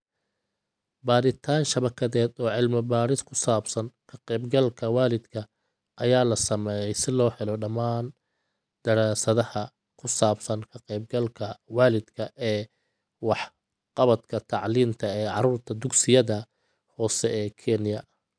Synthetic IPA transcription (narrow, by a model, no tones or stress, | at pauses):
baːɾɪt̪ʰaːnʃɐβɐkʰɐðɛːd̪ɔːʕɪlmɐbaːɾɪskʰʊsaːbsɐnkʰɐqɛjbɡɐlkʰɐwaːlɪd̪kʰɐ | ʔɐjaːlɐsɐmɛjɛjsɪlɔːħɛlɔɖɐmaːn | d̪̥ɐɾaːsɐðɐhɐ | kʰʊsaːbsɐnkʰɐqɛjb̚ɡɐlkʰɐwaːlɪd̪kʰɐʔɛː | wɑħ | qɑβɐd̪kʰɐt̪ʰɑʕliːnt̪ʰɐɛːʕɑɾuːrt̪ʰɐd̪ʊɡsɪjɐðɐ | hɔːsɛɛːkʰɛnɪjɐ